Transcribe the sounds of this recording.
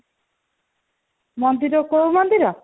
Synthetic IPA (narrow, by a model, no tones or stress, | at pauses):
mɔnd̪iɾokowmɔnd̪iɾɔ